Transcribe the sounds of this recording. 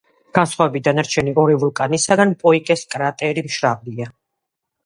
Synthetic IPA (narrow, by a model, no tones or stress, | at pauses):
ɡ̥ansχwavɛbid̪anaɾt͡ʃʰɛniɔɾivulˠkʼanisaɡanpʼɔikʼɛskʼɾat̪ʼɛɾimʃɾavlia